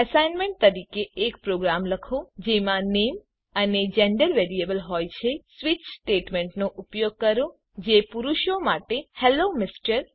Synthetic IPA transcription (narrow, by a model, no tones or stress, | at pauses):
ɛsajnmeɳʈ̚t̪əɾikeʔːkpɾoɡɾamləkʰod͡ʒemãnem | əned͡ʒeɳɖəɾʋeɾiebəlɦɔjt͡ʃʰesʋit͡ʃsʈeʈmeɳʈnoʔupjoɡ̚kəɾo | d͡ʒepuɾuʃomaʈehelomɪsʈəɾ